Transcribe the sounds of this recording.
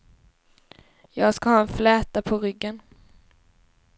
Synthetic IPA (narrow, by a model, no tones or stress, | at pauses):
jɑːɡskahɑːɛnflɛːt̪apʰɔɾʏɡːən